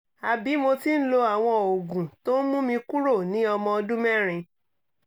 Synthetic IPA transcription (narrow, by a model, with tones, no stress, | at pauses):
a˨bi˨˦mo˧ti˦n̩˦lo˧a˨w̃ɔ̃˧o˨ɡũ˨to˦n̩˦mũ˦mĩ˧ku˦ɾo˦˨nĩ˨˦ɔ˧mɔ̃˧dũ˦mɛ̃˦˨ɾ̃ĩ˧